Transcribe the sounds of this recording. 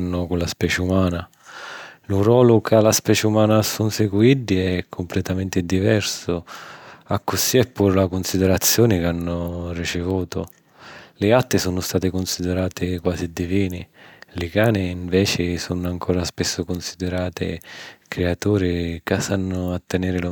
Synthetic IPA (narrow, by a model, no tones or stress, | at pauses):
nːʊkunlaspɛːt͡ʃumaːna | lurwɔːlʊkalaspɛːt͡ʃeumaːnasunsɪɡuiɖ̪iɛkʰːʊmplɛt̪amɛnt̪ɪd̪ivɛrsʊ | akːʊsiːɛpːuːɾlakʊnsid̪ɛɾat̪sːjɔːnɪkanːʊrit͡ʃɪvuːt̪ʊ | lɪat̪ːɪsonʊst̪aːt̪ɪkʊnsid̪ɛɾaːt̪ɪkwaːsid̪iviːnɪlɪkaːnɪːɱvɛːt͡ʃɪsonʊaŋkʰɔːɾaspɪsːʊkʊnsid̪ɛɾaːt̪ɪ̰kɾeat̪uːɾɪkasanːʊat̪ːɛnɛːɾɪl